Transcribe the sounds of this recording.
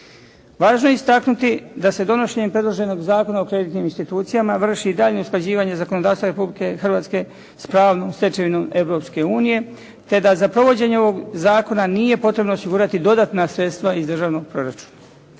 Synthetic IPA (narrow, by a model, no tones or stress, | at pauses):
ʋaːʒno̞jeist̪aknut̪id̪ase̞d̪o̞no̞ʃe̞ɲempɾe̞d̪lˠoʒe̞no̞ɡzaːko̞nao̞kɾe̞d̪it̪niminst̪it̪uːt̪sijamaʋr̩ʃid̪aːʎnousklˠad͡ʑiːʋaɲe̞zako̞nod̪aːst̪ʋaɾe̞publike̞xr̩ʋaːt̪ske̞ | spɾaːʋno̞ːmst̪e̞t͡ʃe̞ʋino̞me̞ʋɾo̞pske̞uːnije̞ | t̪e̞d̪azapɾo̞ʋo̞d͡ʑe̞ɲeo̞ʋo̞ɡzaːko̞nanije̞po̞t̪ɾe̞bno̞ːsiɡuɾat̪id̪o̞d̪aːt̪nasɾe̞t̪st̪ʋaizd̪r̩ʒaːʋno̞ɡ̚pɾo̞ɾat͡ʃu̥ːna